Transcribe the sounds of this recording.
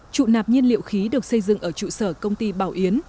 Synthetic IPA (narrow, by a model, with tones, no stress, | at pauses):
t͡ɕṵ˧˨naː˨˩p̚ɲi˧ənlḭ˧˨əwxi˨˦ɗɨ˨˩ək̚sə˧jzɨ̰˧˨ŋʔəː˧˩t͡ɕṵ˧˨səː˧˩kə˧wŋ͡mt̪i˧ɓaː˧˩wʔi˨˦ən